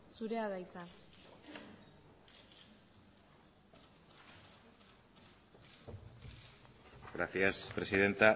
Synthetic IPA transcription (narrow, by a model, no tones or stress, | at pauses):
suɾeaðajt͡sa | ɡɾaθjaspɾe̞siðe̞nt̪a